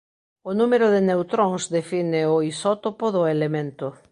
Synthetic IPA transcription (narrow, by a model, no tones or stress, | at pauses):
ʊnumeɾʊðɪnewt̪ɾõŋzðefinɪoisɔt̪opoðʊelemẽnt̪ʊ